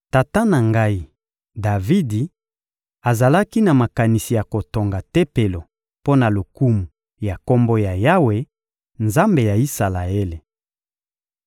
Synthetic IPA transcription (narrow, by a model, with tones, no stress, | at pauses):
ta˨ta˦na˨ŋɡa˦i˨ | da˨vi˦di˨ | a˨za˨la˦ki˦na˨ma˨ka˨ni˨si˨ja˨ko˨to˨ŋɡa˨te˦pe˨lo˨ | po˦na˨lo˨ku˦mu˨ | ja˨ko˦mbo˦ja˨ja˦we˨˦ | nza˦mbe˨ja˨i˦sa˨la˨e˦le˨